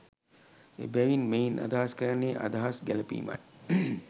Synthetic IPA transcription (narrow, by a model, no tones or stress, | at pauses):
ḛbɛʋinmejnʔa̰d̪aɦaskəɾɐnːeːʔa̰d̪aɦasɡælɐpḭːma̰